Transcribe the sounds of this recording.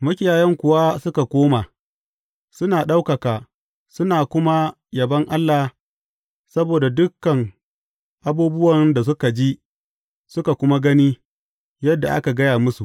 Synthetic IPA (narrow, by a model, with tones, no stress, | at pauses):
mɐ˦kʲɪ˦jaː˨jɛ˦ŋkʷʊ˨wa˦sʊ˦ka˨kʷoː˦ma˨ | sʊ˦naː˨ɗa˦wkɐ˨kaː˨ | sʊ˦naː˨kʷʊ˦ma˦ | jɐ˨bɐ˦ŋʔa˦lːa˨ | sɐ˦boː˨da˨dʊ˦kːɐ˨ŋ | ʔa˨buː˦bʊ˦wɐ˨nda˨s̬ʊ˦ka˨d͡ʒi˦ | sʊ˦ka˨kʷʊ˦ma˦ɡɐ˦ni˦ | jɐ˦dːa˨ʔa̰˦ka˨ɡɐ˦jaː˨mʊ˦su˨ʔ